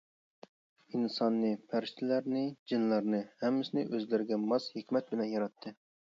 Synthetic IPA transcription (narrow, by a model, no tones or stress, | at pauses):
insɑnːɨpʰæɾʃt̪ʰɪlæɾnɪd͡ʒinlˠɑɾnɨhɛmːɪsɪnɪʔøzlɪɾɡʲɛmɑshekʲmɛt̪̚bɪlɛnjɑɾɑt̪ʰːɨ